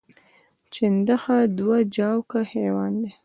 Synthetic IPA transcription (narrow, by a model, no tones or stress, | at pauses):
t͡ʃɪnd̪axad̪wad͡ʒɑwkahewɑnd̪e